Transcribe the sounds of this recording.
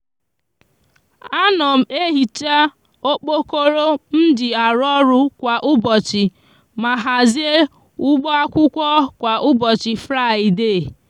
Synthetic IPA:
a˦nɔ˨m̩˨e˦ɦi˨t͡ʃa˦ | o˦k͡po˦ko˦ɾo˦n̩˦dɪ˨a˨ɾɔ˦ɾʊ˦kʷa˨ʔʊ˦bɔ˨t͡ʃɪ˨ | ma˨ɦa˨zi˦e˦ | ʊ˦ɡ͡bɔ˦a˦kʷʊ˦kʷɔ˦kʷa˨ʔʊ˦bɔ˨t͡ʃɪ˨fɾa˦˨i˨deː˦˨

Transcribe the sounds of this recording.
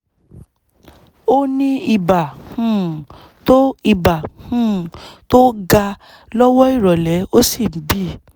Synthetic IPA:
o˦nĩ˦i˧ba˨hũ˨ | to˦i˧˨ba˨hũ˦˨to˦ɡa˧ | lɔ˦wɔ˦i˦˨ɾɔ˨lɛ˨˦o˦si˦˨m̩˨˦bi˦˨

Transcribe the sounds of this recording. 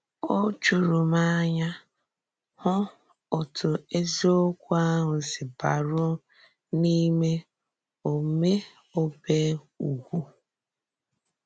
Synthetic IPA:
o˦t͡ʃʊ˨ɾʊ˨ma˦ɲa˦ | hʊ˦ | ɔ˨tʰʊ˨e˦zi˦o˦kʷa˦ɦʊ˨sɪ˨ba˨ɾʊ˦ | ni˦me˦ | o˨me˦ | o˦be˦ | u˨ɡʷu˦

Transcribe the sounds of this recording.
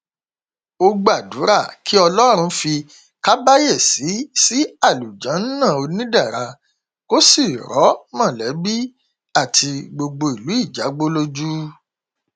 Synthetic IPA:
o˧ɡ͡ba˦˨du˨˦ɾa˦˨kʰi˦ɔ˧lɔ˦ɾ̃ũ˧fi˧ | ka˦ba˦je˦˨si˨˦si˦a˦˨lu˨d͡ʒã˨˦n̩˦nã˦˨o˧nĩ˦da˦˨ɾa˧ | ko˦si˦˨ɾɔ˨˦mã˦˨lɛ˨˦bi˦ | a˦˨tʰi˧ɡ͡bo˧ɡ͡bo˧i˨lu˨˦i˦˨d͡ʒa˨˦ɡ͡bo˦lo˦d͡ʒu˦

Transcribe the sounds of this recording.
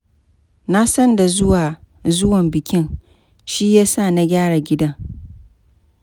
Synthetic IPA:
na˦sɐ˦nda˨zʊ˦waː˨ | zʊ˦wɐ˨mbɪ˨kʲɪ˦ŋ | ʃi˦jaː˦saː˦˨na˦ɡʲaː˦ɽa˨ɡʲɪ˦dɐ˦ŋ

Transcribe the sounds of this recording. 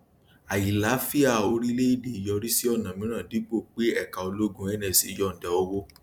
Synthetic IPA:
a˨ji˨la˨˦fi˦a˦˨o˧ɾi˦le˦i˦˨di˨i˨jɔ˧ɾi˦si˦ɔ˦˨nã˨mĩ˦ɾ̃ã˦˨di˨˦k͡po˦˨k͡pe˦ɛ˦˨ka˨o˧lo˦ɡũ˦ɛ˦nɛ̃˧˨si˦˧jɔ˦˨n̩˨dɛ˨o˧wo˦

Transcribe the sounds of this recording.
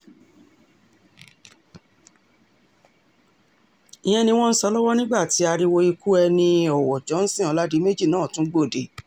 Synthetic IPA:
i˨j̃ɛ̃˧nĩ˧w̃ɔ̃˦n̩˦sɔ˧˦lɔ˦wɔ˦nĩ˦ɡ͡ba˦˨ti˨˦a˧ɾi˧wo˧i˧ku˦ɛ˧nĩ˧ɔ˨wɔ˨d͡ʒɔ̃˨˦n̩˦sĩ˦˨ɔ˨˧la˦di˨˦me˦d͡ʒi˦˨nãː˨˦˨tũ˨˦ɡ͡bo˦˨de˨˦

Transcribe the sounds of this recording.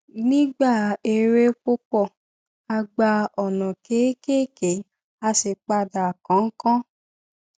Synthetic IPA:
nĩː˦ɡ͡ba˦˨e˧ɾe˦k͡po˦k͡pɔ˧˨ | a˧ɡ͡ba˧ɔ˨nɔ̃˨ke˨˦ke˦ke˨˦ | a˧se˨k͡pa˧da˨kɔ̃˨˦ŋ̩˦kɔ̃˦

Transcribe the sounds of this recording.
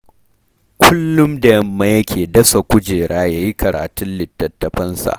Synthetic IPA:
kʷʰʊ˦lːʊ˦mda˨jɐ˦mːɐ˦jɐ˦kʲʰeː˨dɐ˦sa˨kʷʊ˦d͡ʒeː˨ɽʔaː˦jaː˦ji˦kʰɐ˨ɽa̰ː˨tʊ˦nlɪ˨tːɐ˨tːɐ˨ɸɐ˦nsa̰˨ʔ

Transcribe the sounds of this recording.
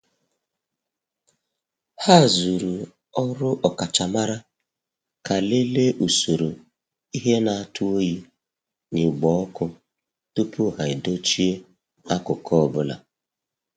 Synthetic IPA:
ha˦˨zu˨ɾu˨ | ɔ˦ɾʊ˦ʔɔ˨ka˨t͡ʃa˨ma˦ɾa˦ | ka˨le˦le˦ʔu˨so˨ɾo˨ | i˦ɦe˦na˨a˦˨tʰʊ˦o˦ji˦ | nɪ˨ɡ͡bɔ˨˦ɔ˦kʊ˦ | tu˦pu˦˨ɦa˨ɪ˨do˦t͡ʃi˦e˦ | a˦kʊ˨kʰɔ˦˨bʊ˦la̰˨

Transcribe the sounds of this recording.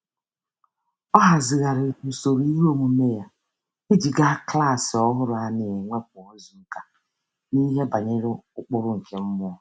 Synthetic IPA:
ɔ˦ɦa˨zɪ˨ɣa˨ɾɪ˨u˨so˨ɾi˦ɾo˦mu˨me˦ja˦ | i˦d͡ʒi˨ɡa˦kla˦˨sɪ˨ɔ˦ɦʊ˦ɾʊ˨a˨ne˨e˨ŋʷe˦k̚ʷʊ˨o˦zu˨ŋ̩˦ka˦ | ni˦ɦe˦ba˨ɲɪ˦ɾɪ˦ʊ˦k͡pʊ˦ɾʊ˦ŋ̩˨kʰe˦m̩˦mʊ˦ɔ˨

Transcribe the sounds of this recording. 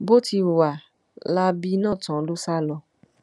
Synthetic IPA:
bo˦ti˧wa˨ | la˦bi˦nãː˦˨tã˨˧lo˦sa˦lɔ˧

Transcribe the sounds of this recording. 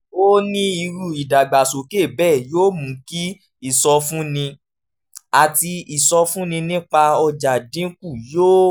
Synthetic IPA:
o˦nĩ˦i˧ɾu˦˨i˨da˨ɡ͡ba˨so˨ke˦˨bɛː˦˨joː˦mũ˨˦ki˦ | i˦˨sɔ˧fũ˦nĩ˧ | a˨ti˧i˨sɔ˧fũ˦nĩ˧nĩ˦k͡pa˧ɔ˧d͡ʒa˨dĩ˨˦ku˦˨joː˦

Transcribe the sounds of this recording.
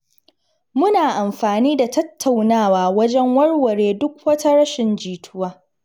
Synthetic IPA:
mʊ˦naː˨ʔa˨mɸaː˨niː˦da˨tɐ˦tʰːa˨wnaː˦˨waː˨wɐ˦d͡ʒɛ˦ŋwɐ˦ɽwɐ˨ɽeː˨dʊ˦k̚wɐ˦tɐ˦ɾɐ˦ʃɪ˨nd͡ʒiː˨tʰʊ˦waː˦

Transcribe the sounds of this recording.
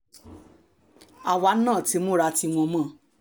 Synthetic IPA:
a˨wa˨˦nãː˦˨ti˨˦mo˦ɾa˧ti˧w̃ɔ̃˧mã˦˨

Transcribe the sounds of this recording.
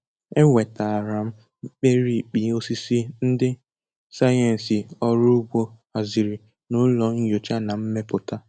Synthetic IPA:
e˦we˨ta˨a˨ɾa˨m̩˦ | k͡pe˦ɾi˦˨k͡pi˨o˦si˦si˦n̩˦dɪ˦ | sa˦je˨n̩˨si˨ɔ˦ɾʊ˦ɡ͡bo˦ | a˨zi˨ɾi˨ | nʊ˨˦lɔ˨ŋ̩˦jo˨t͡ʃa˦na˨m̩˦me˦pʊ˨ta˦

